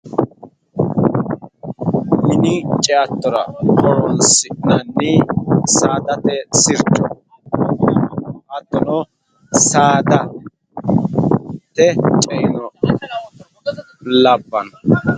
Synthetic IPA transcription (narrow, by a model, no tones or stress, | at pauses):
mɪnɪt͡ʃʼɛat̪ːɔɾɐkɔwɔnsɪnɐnːɪsaːd̪ɐt̪ɛsɪɾt͡ʃʼɔ | ʔɐt̪ːɔnɔ | saːd̪ɐ | t̪ɛt͡ʃʼɛɪnɔ | lɐbːɐnɔ